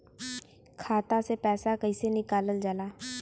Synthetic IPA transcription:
kʰaːt̪asepɛːsakəɪsenɪkaːləld͡ʒalaː

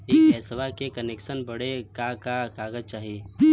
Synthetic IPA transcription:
eːkɛːsʋakekɐneːkʃənbɐɽekakakaːɡəzt͡ʃaːɦieː

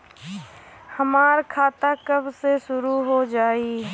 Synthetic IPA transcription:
həmaːɾkʰaːt̪akəbseʃʊɾuɦod͡ʒaːi

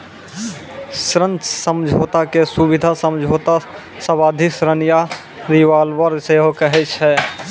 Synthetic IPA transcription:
sɾə̃nt͡ʃsəmd͡ʒʱoːt̪akesubɪd̪ʱasəmd͡ʒʱɦoːt̪a | səbaːd̪ʱisɾənija | ɾiʋaːlwəɾseɦokəɦɛt͡ʃʰɦɛː

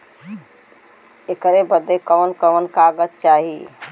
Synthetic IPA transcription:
ekəɾebəd̪ekəʋənkəʋənkaɡət̪̚t͡ʃaɦi

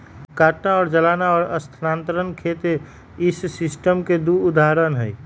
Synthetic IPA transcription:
kaːʈnaɔːɾd͡ʒəlaːnaɔːɾəst̪ʰənaːnt̪əɾənkʰet̪e | ɪssɪsʈəmked̪uːd̪aɦɾənɦɛi

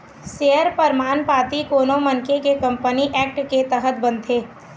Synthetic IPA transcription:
seːəɾpəɾmaːnpaːt̪ikoːnomɐnkekekɐ̃mpəniʔɛːk̚ʈket̪əɦət̪̚bɐ̃nt̪ʰeː

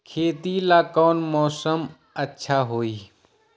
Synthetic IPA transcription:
kʰeːt̪ilaːkɔːnmɔːsəm | ɐtːʃʰaɦoːiː

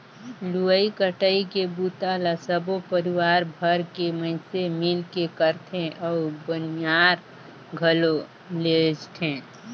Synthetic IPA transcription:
luəikəʈəikebut̪aːlasəbopəɾɪwaːɾbʱəɾkeməɪsemɪlkekəɾt̪ʰẽʔɔːbənjaːɾ | ɡʱəlo | led͡ʒt̪ʰɛ̃ː

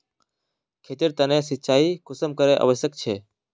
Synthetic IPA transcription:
kʰeːt̪ɪɾt̪ənẽsɪt̪ːt͡ʃʰaːikʊsəmkəɾeʔə̰ʋəʃjəkt͡ʃʰeː

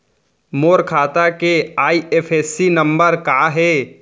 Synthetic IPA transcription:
moːɾkʰaːt̪akeaːieːpʰeːsinɐ̃mbəɾkaːɦɛː

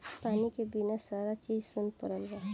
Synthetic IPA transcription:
paːnikebinasaːɾat͡ʃiːd͡ʒsʊnpəɾəlɡaː

